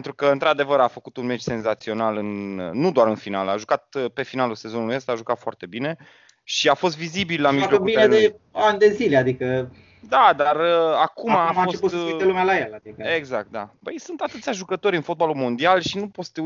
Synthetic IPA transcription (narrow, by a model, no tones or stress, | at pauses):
ent̪ɾukəɨnt̪ɾad̪e̞vəɾafəkut̪unmet͡ʃse̞nzat̪sio̞nalɨnnud̪owaɾɨnfina̰la̰ʒukat̪̚əpe̞finaluse̞zo̞nulujəst̪aʒukat̪foa̰rt̪e̞bine̞ | ʃiafo̞st̪vizibilːamilook̪ubield̪e | and̪e̞zilead̪ikə | d̪ad̪arəakumafoestuelumalajalad̪ikeɡzak̚t̪̚d̪a̰pəjsunt̪at̪ɨt̪sʲaʒukət̪o̞ɾʲɨnfo̞t̪̚balulmo̞nd̪ialʃinupost̪e